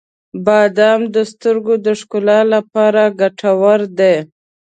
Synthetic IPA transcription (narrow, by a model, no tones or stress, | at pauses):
bɑd̪ɑmd̪əst̪əɾɡod̪əʂkʊlɑlapɑɾaɡaʈʰawaɾd̪e